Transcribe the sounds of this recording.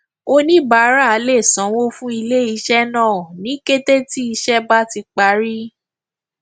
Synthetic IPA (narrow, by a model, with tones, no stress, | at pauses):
o˦nĩ˦ba˨˦ɾa˦˨˧le˦˨sã˨˦wo˦fũ˦i˧le˦i˧ʃɛ˦nãː˦˨nĩ˨˦ke˦te˦ti˦i˧ʃɛ˦ba˦ti˧k͡pa˨˧˦ɾi˦